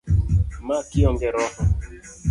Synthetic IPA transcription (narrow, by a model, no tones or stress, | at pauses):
makɪɔŋɡɛɾɔ